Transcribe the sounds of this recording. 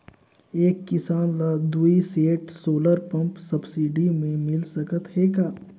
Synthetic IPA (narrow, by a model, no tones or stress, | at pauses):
eːkːɪsaːnlad̪uːiseːʈsoːləɾpɐ̃mpsɐbsiːɖimẽmɪlsɐkət̪ɦeːkaː